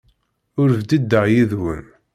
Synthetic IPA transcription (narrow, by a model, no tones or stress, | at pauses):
ʊɾvd̪id̪ːəʁjiðwə̰n